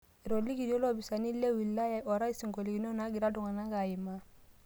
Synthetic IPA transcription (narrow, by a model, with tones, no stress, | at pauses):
i˨ɾɔ˨li˦ɡi˨do˦lɔ˦˨bi˨sa˨ni˦le˦wi˨lːa˦ja˨ʔɔ˨ɾa˦i˦si˨ŋɡo˨li˨ɡi˨nɔ˦na˦ɡi˨ɾa˦du˨ŋa˨na˦ka˨ji˨ma˦